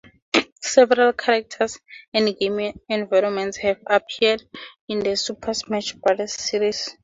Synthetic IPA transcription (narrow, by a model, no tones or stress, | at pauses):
sɛvɛɾalkʰaɾak̚tʰasɛ̃ndɡemiɛ̃nvajɾɔnmɛ̃ntshɛvapʰiadĩnd̪əsupʰasmɛt͡ʃʰbalɛssiɹis